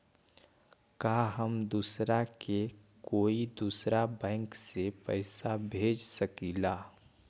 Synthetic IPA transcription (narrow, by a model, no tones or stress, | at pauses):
kaːɦəmd̪uːsɾake | koːid̪uːsɾabɛ̃ːŋksepə̰ɪsabʱeːd͡ʒsəkiːlaː